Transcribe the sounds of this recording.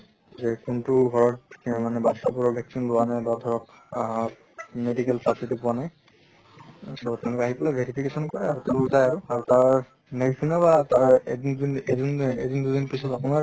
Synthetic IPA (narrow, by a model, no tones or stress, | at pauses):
zɛkuntʊɡʱɔɹɔtmanɛbasapuɹɔbʱjɛksinlʊwanajbadʱɔɹɔk | medikɛlpasitipuanaj | sɔbɔtɛʊ̃lʊkɛaɦipɔlabʱeɹipʰikesɔnkɔɹɛaɹutɛʊ̃lʊzajaɹuaɹutaɹ | nekkʰinabataɹedndinedinedindudinpisɔtapʊnaɹ